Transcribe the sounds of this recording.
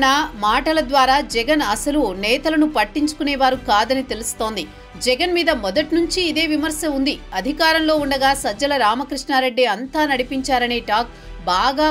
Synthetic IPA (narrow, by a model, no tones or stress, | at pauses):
ɐmaːʈɐlɐd̪ʋaːɾaːd͡ʒɛɡɐnɐsɐlunɛːt̪ɐlɐnupɐʈːiɲt͡ʃu̥kunɛːʋaːɾukaːd̪ɐnit̪e̞lust̪o̞ːnd̪i | d͡ʒɛɡɐnmiːd̪ɐmɔd̪ɐʈnuɲt͡ʃiːd̪e̞ːʋimɐɾsɐmund̪iɐd̪ʱikaːɾɐmlo̞ːuɳɖɐɡaːsɐd͡ʒːɐlɐɾaːmɐkɾiʂɳaːɾeɖːeɐnt̪aːnɐɽipiɲt͡ʃaːɾɐne̞ːʈaːk̚ | baːɡaː